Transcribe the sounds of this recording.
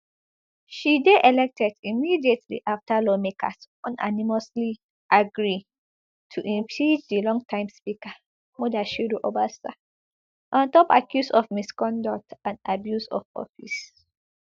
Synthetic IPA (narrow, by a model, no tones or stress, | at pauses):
ʃideʔɛlɛk̚tɛdimidietʰlḭʔaftalɔmekʰa̰s | ɔ̃na̰nimɔsli | ʔaɡɹi | tʰuʔĩmpʰid͡ʒdilɔ̃ŋtʰãɪ̃mspika | modaʃiɾuʔobasa̰ | ʔɔ̃ntɔpa̰kjusɔfmiskɔ̃ndɔk̚tãndabjusɔ̰fɔ̰fis